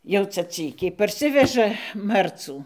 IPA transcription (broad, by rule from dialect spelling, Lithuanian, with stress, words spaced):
jɛʊ ˈt͡sɐ ˈt͡sʲiːkʲɛɪ pɐrʲˈsʲɪʋʲɛʒɐ ˈmɐrt͡suː